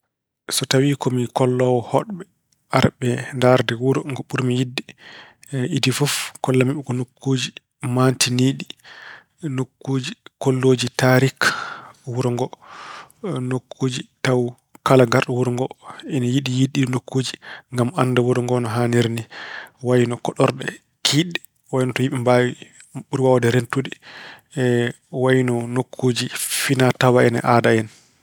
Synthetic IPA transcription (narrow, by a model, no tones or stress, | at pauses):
sɔtawikɔmikɔlːɔwɔhɔɗɓɛ | aɾɓɛndaɾdɛwuɾɔŋɡɔɓuɾmijidːi | idifufkɔlːamiɓɛkɔnokːuːd͡ʒi | mantiniːɗi | nokːuːd͡ʒikolːoːd͡ʒitaɾik | wuɾɔŋɡɔ | nokʰːoːd͡ʒitaw | kalaɡaɾɗɔwuɾɔŋɡɔɛnajiɗijiɗːinokːuːd͡ʒiŋɡamanːdawuɾɔŋɡɔnɔɦaniɾniwajnɔkɔɗɔɾɗɛ | kʰiɗɛ | wajinɔtɔjiɓimbawi | ɓuɾiwawɔdɛɾentudi | wajnɔnokʰːuːd͡ʒifinatawaɛnɛ̰ʔadaɛn